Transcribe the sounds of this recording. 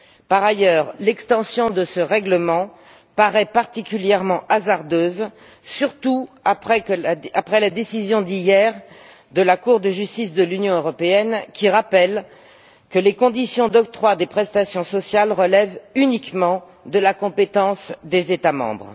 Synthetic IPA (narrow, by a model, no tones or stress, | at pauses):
paʁajœʁlɛkst̪ɑ̃sjɔ̃d̪əsəʁɛɡləmɑ̃ | paʁɛpaʁt̪ikʲyljɛʁmɑ̃ʔazaʁd̪øːz | syʁt̪uapχɛkəapχɛlad̪esizjɔ̃d̪ijɛʁ | d̪əlakuʁd̪əʒyst̪isd̪əlynjɔ̃øʁɔpeɛnkʲiʁapɛl | kəlekɔ̃d̪isjɔ̃d̪ɔk̚t̪χwad̪epχɛst̪asjɔ̃sɔsjalʁəlɛvynikmɑ̃ | d̪əlakɔ̃pet̪ɑ̃sd̪ezet̪amɑ̰̃bʁ